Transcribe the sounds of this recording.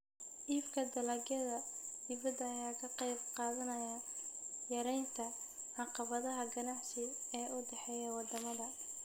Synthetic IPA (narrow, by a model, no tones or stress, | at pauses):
ʔiːbkʰɐd̪ɐlɐɡjɐðɐd̪ɪβɐd̪ɐːjaːkʰɐqɑjb̚qɑːðɐnɐja | jɐɾɛjnt̪ʰɐ | ʕɑqɑβɐðɐɦɐɡɐnaʕsɪɛːʔʊd̪ɛħɛːjɐwɑd̪ɐmɐðɐ